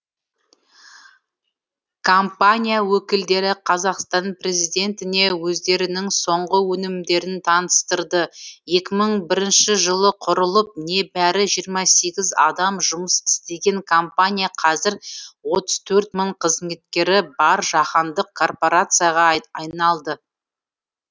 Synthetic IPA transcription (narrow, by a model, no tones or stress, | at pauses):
kʰompanʲijawɵkʲɪld̪e̞ɾɪqʰɑzɑqst̪ɑnprʲe̞zijd̪e̞nt̪ɪne̞wɵzd̪e̞ɾɪnɪŋso̞ɴʁəwɵnɪmd̪e̞ɾɪnt̪ʰɑnəst̪əɾd̪əje̞kʲɪməɴbɪɾɪnʃɪʒəlˠəqʰʊɾəlˠəp̚ne̞bæɾɪʒijəɾmɑse̞ɡʲɪzɑ̰d̪ɑmʒʊməsɪ̥st̪e̞ɡʲe̞ŋkʰompanʲijaqʰɑzɪɾwo̞t̪əz̥t̪ʰɵɾt̪məɴqʰəzme̞t̪̚kʲe̞ɾɪbɑɾʒɑqɑnd̪əq̚kʰo̞rpo̞ɾat̪sɨjaʁɑɑjnɑlˠd̪ə